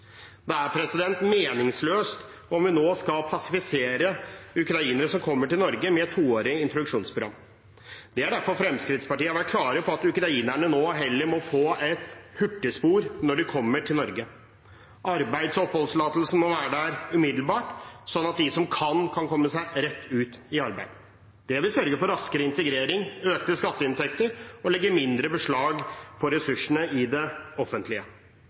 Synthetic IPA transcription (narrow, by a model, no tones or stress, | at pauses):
d̪ɛæɾpʰɾɛsɪd̪ɛnt̪meːnɪŋsløːst̪ | ɔmʋɪnoːskɑlpʰɑsɪfɪseːɾəʉkɾɑiːnəɾəsɔmkʰɔmːəʈɪlnɔɾɡəmɛt̪ʰːuːoːɾɪəɪnt̪ɾɔd̪ʉʂuːnspʰɾʊɾɑ̰mː | d̪̥ɛæɖæɾfɔɾfɾɛmskɾɪt̪spɑʈiːəʋæʈ̚kʰlɑːɾəpʰɔɑt̪ʉkɾɑiːnæɳənoːɦɛlːəɾmɔfoːɛt̪hʉʈːəspuːɾnɔɖɪkʰɔmːəʈʰɪlnɔɾɡə | ʔɑɾbæɪd̪sɔphɔlslɑːt̪l̩sn̩mɔʋæːɾəɖæɾʉmɪd̪l̩bɑːʈsɔnːɑt̪̚d̪ɪsɔmkʰɑnkʰɑnkʰɔmːəsæɪɾɛt̪ʰːʉːt̪ɪɑɾbæɪd̪̥ | d̪̥ɛʋɪlsœɾɡəfɔɾɑskəɾəɪnt̪əɡɾeːɾɪŋøːkt̪əskɑt̪ːəɪnt̪ʰɛkt̪əɾɔlɛɡːəmɪnd̪ɾəbəʂɭɑːɡpʰɔɾɛsʉʂəɳəɪd̪ɛɔfənt̪lɪə